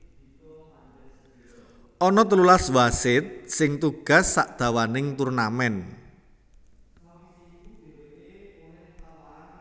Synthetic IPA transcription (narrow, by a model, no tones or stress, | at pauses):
ʔɔnɔt̪əlulaswasɪt̪̚sɪŋt̪uɡ̥a̤sːaʔd̪̥a̤wanɪŋt̪urnamɛn